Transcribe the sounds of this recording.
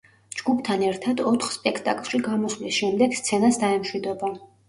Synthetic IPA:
d͡ʒɡupʰt̪ʰanɛɾt̪ʰad̪ɔt̪ʰχspʼɛkʰt̪ʼa̰kʼlˠʃiɡamɔslisʃɛmd̪ɛɡst̪sʰɛnasd̪aɛmʃwid̪ɔba

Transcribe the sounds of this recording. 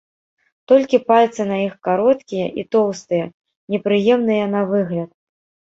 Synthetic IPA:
t̪ɔlʲkʲipalʲt̪sɨnaixkaɾɔt̪kʲijɐʔḭt̪ɔwst̪ɨjɐ | nʲɛpɾɨjɛmnɨjɐnɐvɨɣlʲɐt̪

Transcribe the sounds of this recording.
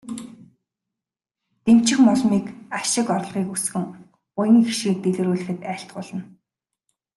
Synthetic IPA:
t̪em̥t͡ɕɪ̆xmɔɮmiːkaʃɪ̆kɔɾ̆ɮʁiːkusxɘ̆ŋ | ʊjɪ̆ŋxiʃɡiːk̚t̪eɮɘ̆ɾuːɮɘ̆xɘ̆t̪æːɬt̪̚ɢʊːɮə̆n

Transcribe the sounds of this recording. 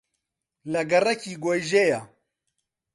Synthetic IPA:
lɐɡɐrɐkiːɡojʒeja

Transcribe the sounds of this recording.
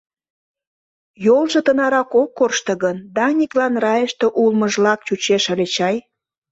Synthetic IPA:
jolʒĕt̪ənɑɾɑkokːorʃt̪ə̆ɣənd̪ɑnʲiklɑnrɑjəʃt̪e̽ʔulməʒlɑk̚t͡ɕut͡ɕeʃəlʲet͡ɕɑj

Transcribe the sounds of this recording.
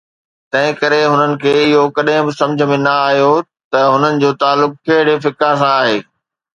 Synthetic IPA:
t̪ɐ̃ɦɪ̃kɐɾeɦʊnənɪ̆kʰeːɪɦokɐɗɦɪ̃bɪsɐ̃md͡ʑʱə̆mẽnɐaːɦijo | t̪ɐɦʊnənɪ̆d͡ʑoːt̪aːlːʊkkɐɦɪɽefɪkãsãaːɦeː

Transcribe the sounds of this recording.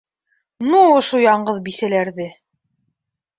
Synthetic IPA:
nuŏʃojɑɴɢɤðbisælæɾðɘ

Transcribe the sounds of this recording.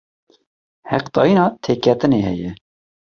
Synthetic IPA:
hɛqt̪ɑːjinɑːt̪ʰeːkʰɛt̪ɨneːhɛjɛ

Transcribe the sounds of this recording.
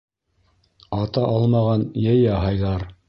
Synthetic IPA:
ɑt̪ɑʔɑlˠmɑʁɑnjæjɑɦɑjðˠɑɾ

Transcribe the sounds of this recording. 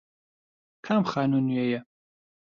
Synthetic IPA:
kʰamχaːnunuejɛ

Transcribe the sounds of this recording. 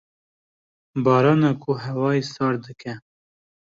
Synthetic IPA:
bɑːɾɑːnɑkʰuɦɛwɑːisɑːɾd̪ɨkʰɛ

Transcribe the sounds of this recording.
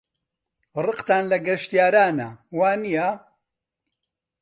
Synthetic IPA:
rɨqt̪aːnlɐɡɐʃt̪ijaːɾaːnɐwaːnija

